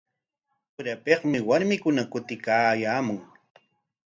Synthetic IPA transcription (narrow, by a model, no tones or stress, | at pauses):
ʊɾapeqmɪwaɾmɪkʊnakʊt̪ɪkaːjaːmʊŋ